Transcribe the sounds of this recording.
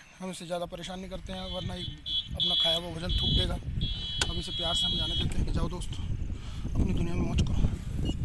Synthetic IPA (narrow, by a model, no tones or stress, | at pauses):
ɦɐmɪsːezjaːd̪apɐɾeːʃaːnĩkɐɾt̪eɦɛ̃ʋɐɾnaiɐpnakʰaːjaʋabʱɐd͡ʒənt̪ʰuːkd̪eːɡaːɐbɪsepjaːɾseɦɐmd͡ʒaːned̪ɐkt̪eɦɛ̃ked͡ʒaːod̪oːst̪ː | ɐpnid̪ʊnijamẽmɔ̃ːt͡ʃkɐɾoː